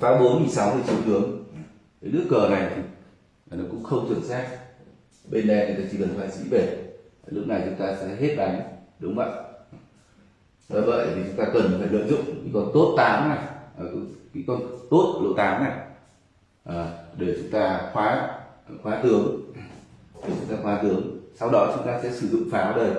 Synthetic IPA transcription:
taː˨˦ɓo˨˦nŋi˨˩nsa˨˦wmɨː˨˧˩t͡ɕi˨˦ə˦wt̪ɨ˨˦əŋ | e˨˦nɨ̰˦˥əkːəː˨˩na˨˩jt̪ʰi˨˩˨ | nɔ˨˦˥kʊ̰˧˥ŋ͡mxə˧wŋ͡mt͡ɕɨ˧˩ənsaː˦˥k̚ | ɓe˧nɗa˧t̪i˨˧˩t̪aː˧˩t͡ɕi˧˩kə˨˩nfaː˧˩jsḭ˧˥ɓe˧˩˨ | lʊ˦˥k̚na˨˩jt͡ɕʊ˨˦ŋ͡mt̪aː˧sɛ̰˧˥ɦe˦˥t̚ɗa˨˦jŋ̟ɗʊ˨˦ŋ͡mvə̰ː˧˨j | vəː˧˩jvə̰˧˨jt̪ʰi˨˩t͡ɕʊ˨˦ŋ͡mt̪aː˧kə˨˩nfaː˧˩jlə̰ː˧˨jzʊ̰˧˨ŋ͡mkḭ˧˥kɔ˨˩nt̪o˦˥t̚t̪aː˨˦mnaː˨˩ʔəː˨˩kɨ˨˦kḭ˧˥kɔ˨˩nt̪o˦˥t̚lo˧˩t̪aː˨˦mnaː˨˩ | ʔaː˨˩ɗe˧˩t͡ɕʊ˨˦ŋ͡mt̪aː˧xwaː˨˦˨xwaː˨˦t̪ɨ˨˦əŋ | ɗe˨˩t͡ɕʊ˨˦ŋ͡mt̪aː˧xwaː˨˦t̪ɨ˨˦əŋsa˧wɗɔ˨˦t͡ɕʊ˨˦ŋ͡mt̪aː˧sɛ̰˧˥sɨ˧˩zʊ̰˧˨ŋ͡mfaː˨˦wɗəː˨˩j

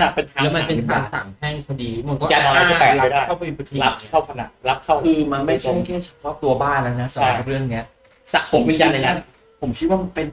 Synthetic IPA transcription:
na˨˩pe˧nt̪ʰaː˨˦lɛ˦˥ma˧˨˦pe˧n˧t̪ʰaː˨˩˦saː˩˦ŋhɛ˥˩ŋkʰa˧diː˧ma˧nkɔ˥˩a˨˧˩t̪ɔː˧aː˥˩˥t͡ɕa˧˥a˧a˥˩daː˥˩j̪ʰla˦˥p̚kʰa˥˩wkʰa˧na̰˨˩la˦˥p̚kʰa˥˩wiː˧ma˧ma˥˩jt͡ɕʰa˥˩kʰɛː˥˩t͡ɕʰa˧˩kʰɾɔː˥˩p̚t̪u˧ɐbaː˥˩nla˦˥na˦˥sa˨˧aa˧˩ɾɯ˥˩ənni˦˥ɐ | sa̰˨˩ʔsʰo˨˩˦miː˧jaː˧na˧na˦˥ | pʰo˩˦mkʰi˦˥waː˥˩pe˧n

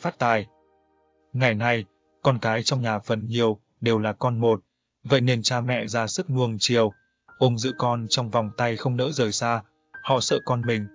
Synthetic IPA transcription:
faː˦˥t̚t̪aː˨˩j | ŋa˨˩jna˧j | kɔ˧nkaː˨˦jt͡ɕɔ˧wŋ͡mɲaː˨˩fə˨˩nɲi˨˩əw | ɗe˨˩wlaː˨˩kɔ˧nmo˨˩t̚ | və̰˧˨jne˧˩nt͡ɕaː˧mɛ̰˧˨zaː˧sɨ˦˥k̚nu˧əŋt͡ɕi˨˩əw | ʔʊ˨˧ŋ͡mzɨ̰˧˥kɔ˧nt͡ɕɔ˧wŋ͡mva˨˩wŋ͡mt̪a˧jxə˧wŋ͡mnə̰ː˧˥zəː˨˩jsaː˧ | hɔ̰˧˨sə̰ː˧˨kɔ˧nmï˨˩ŋ̟

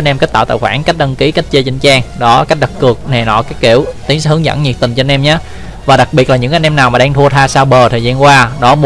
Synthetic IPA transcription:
nʔɛ˧mka˦˥t̚t̪a̰ː˧˨wt̪a̰ː˧˨˩jxwaː˧˩nka˦˥k̟̚ɗə˧nki˨˦ka˦˥k̚t͡ɕə˧t͡ɕï˨˦ŋ̟t͡ɕaː˧ŋɗɔ˨˦ka˦˥k̚ɗə˨˩tkːɨ˨˩ək̚na˨˩nɔ̰˧˨kaː˦˥j̚kḭ˧˩əwt̪i˨˦ŋsɛ˧˥hɨ˨˦ŋzə̰˧˥nɲi˨˩t̪i˨˩ŋ̟t͡ɕɔ˧nʔɛ˧mɲaː˨˦ | vaː˨˩ɗa˨˩k̚ɓi˨˩t̚laː˨˩ɲɨ̰˧˥ŋkːnʔɛ˧mnaː˨˩wmaː˨˩ɗaː˧ŋt̪ʰu˧ət̪ʰaː˧saː˧wɓəː˨˩t̪ʰəː˨˩zaː˧nkwaː˧ɗɔ˨˦m˨˧

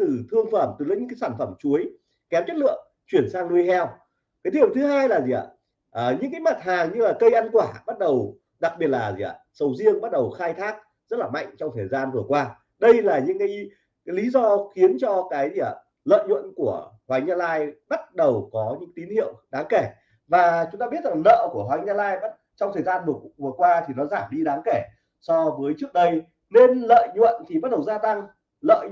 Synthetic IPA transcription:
tɨ˨˩t̪ʰɨ˧əŋfə˧˩mt̪ɨ˨˩lə˨˧˥ɲɨ̰˧˥˧kːsaː˧˩nfə˧˩mt͡ɕu˨˦əj | kɛ˨˦mt͡ɕə˦˥t̚lɨ̰˧˨əŋ | t͡ɕwi˧˩ənsaː˧ŋlu˧jhɛ˧w | kaː˨˦t̪ʰi˧˨wt̪ʰɨ˨˦ɦaː˧jlaː˨˩zi˨˩ə̰˨˩ | ʔːɲɨ̰˧˥ŋkaː˨˦jma˨˩t̚haː˨˩ŋɲɨ˧laː˨˩kə˧jʔa˧nkwaː˧˩ɓa˦˥t̚ɗə˨˩w | ɗa˨˩k̚ɓi˨˩ət̚laː˨˩zḭ˨˩ə̰˨˩sə˨˩wzi˧əŋɓa˦˥t̚ɗə˨˩wxaː˧jt̪ʰaː˦˥k̚ | zə˦˥t̚laː˨˩ma̰˧˨ŋ̟t͡ɕɔ˧wŋ͡mt̪ʰəː˨˩jzaː˧nvɨ˨˩əkwaː˧ | ɗə˧jlaː˨˩ɲɨ̰˧˥ŋkaː˨˦j | kaː˨˦jli˨˦zɔ˧xi˨˦ənt͡ɕɔ˧kaː˨˦j | lə̰ː˧˨jɲwə̰˧˨nku˧˩əhwaː˨˦jɲaː˧laː˧jɓa˦˥t̚ɗə˨˩wkɔ˨˦ɲɨ̰˧˥t̪i˨˦nhḭ˧˨əwɗaː˨˦ŋke˧˩ | vaː˨˩t͡ɕʊ˨˦ŋ͡mt̪aː˧ɓi˦˥ət̚za˨˩ŋnə̰ː˧˨ku˧˩əɦwaː˨˦jɲa˧laː˧jɓa˦˥t̚t͡ɕɔ˧wŋ͡mt̪ʰəː˨˩zaː˧nvɨ˨˩əkvɨ˨˩əkwaː˧t̪ʰi˨˩nɔ˨˦zaː˧˩mɗi˧ɗaː˨˦ŋke˧˩ | sɔ˧vəː˨˦jt͡ɕɨ˦˥ək̚ɗə˧j | ne˧nlə̰ː˧˨jɲwə̰˧˨nt̪ʰi˨˩ɓa˦˥t̚ɗə˨˩wzaː˧t̪a˧ŋ | lə̰ː˧˨

